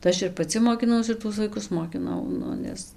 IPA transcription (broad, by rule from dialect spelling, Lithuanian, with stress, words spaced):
tɐɪ ˈɐʃ ɪr pɐˈt͡sʲɪ moːkʲɪˈnɐʊs ɪr ˈtuɔs ʋɐɪˈkʊs moːkʲɪˈnɐʊ ˈnʊ ˈnʲɛs